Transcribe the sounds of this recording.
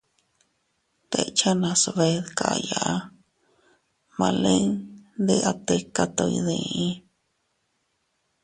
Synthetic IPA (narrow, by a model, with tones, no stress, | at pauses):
t̪e˧t͡ʃa˦nã˧so˧βe˧ðka˨˧ja˨ʔa˦ | mã˧le˦ŋd̪e˧ʔa˧t̪e˧ka˧t̪o˧ḭ˧ðẽ˧ĩ˦